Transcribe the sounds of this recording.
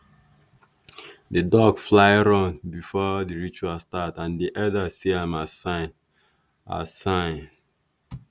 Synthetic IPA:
dedɔɡflaɪɹɔ̃nbifɔdiɹit͡ʃualstatãndiʔɔdasiãmasan | a̰sãɪ̃

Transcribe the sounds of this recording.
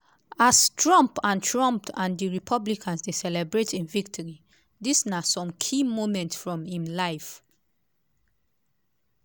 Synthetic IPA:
astʰɹɔ̃mpãntʰɹɔ̃mp̚tʰãndiɹipʰɔblikʰãnsdesɛlɛbɹetʰĩnvik̚tʰɔɹi | disnasɔ̃mkʰimomɛ̃ntsfɹɔ̃mĩmlaɪf

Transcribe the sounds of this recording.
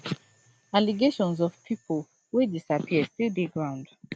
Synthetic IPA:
aliɡeʃɔ̃nzɔv̥pʰipʰol | wedisapʰiəstildeɡɹãʊ̃nd

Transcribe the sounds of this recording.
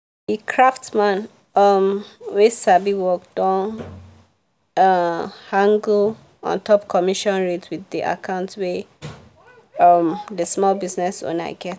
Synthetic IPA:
ikʰɹaftmãn | ɔmwesabiwɔk̚d̥ɔ̃n | hãŋɡl | ɔ̰̃ntʰɔpkʰɔmiʃɔ̃nɹetwiðiʔa̰kʰãʊ̃ntwe | ɔmdəsmɔlbiznɛsõ̰na̰ɪɡɛt

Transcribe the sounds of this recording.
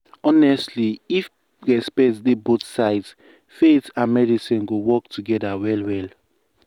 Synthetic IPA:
ɔnɛstliif | ɹɛspɛtsdebotsaɪds | feθãnmɛdisĩnɡowɔk̚tʰuɡɛdawɛlwɛl

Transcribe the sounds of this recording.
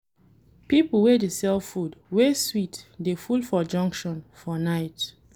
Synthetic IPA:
pipl̩wedesɛlfudweswitdefulfɔd͡ʒɔ̃ŋkʃɔ̃nfɔnaɪt

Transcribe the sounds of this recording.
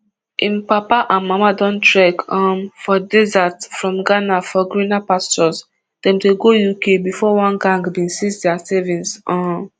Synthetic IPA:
ʔĩnpapaʔãnmamadɔ̃ntɹɛkɔ̃mfɔdɛzatfɹɔ̃mɡanafɔɡɹĩnapastɔs | d̥ɛ̃mteɡojukebifɔwãnɡãŋɡbĩnsisdɛasɛvĩnsɔ̃

